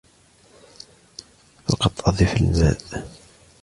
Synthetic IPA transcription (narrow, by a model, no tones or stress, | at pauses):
fɑ̰qɑt̪ˤːʔɑðˤifəlmæ̰ʔ